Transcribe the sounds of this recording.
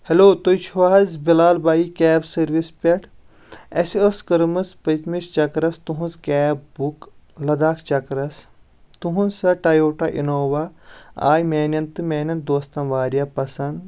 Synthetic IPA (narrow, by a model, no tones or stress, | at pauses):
heloːt̪ojt͡ʃʰuʋaːɐzbilaːlbaːjikʲɛːbsɐɾʋispʲɐʈʰ | ɐsioskɨɾmɨspɐt̪mist͡ʃɐkɾɐst̪uɦũnzkɛːpbuk | lɐd̪aːkʰt͡ʃɐkɾɐs | t̪uɦũnsɐʈɐjoːʈaʔḭnoːʋaa̰ːjmeːnʲɐnt̪ɨmeːnʲɐnt̪̚d̪oːst̪ɐnʋaːɾjapɐsɐnd̪